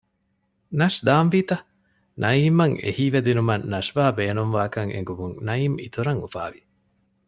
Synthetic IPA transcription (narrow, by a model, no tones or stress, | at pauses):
nɐʂd̪aːmʋiːt̪ɐ | nʔɐiːmɐŋḛhiːʋed̪inumɐnːɐʃʋaːbeːnumʋaːkɐŋḛŋɡumuŋnɐiːmḭt̪uɾɐŋufa̰ːʋi